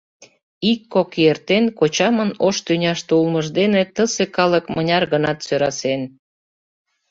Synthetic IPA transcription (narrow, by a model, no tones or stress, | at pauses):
ikːokjert̪enkot͡ɕɑmənoʃt̪ynʲɑʃt̪ulməʒd̪enet̪əsekɑləkmənʲɑrɣənɑt̪søɾɑsen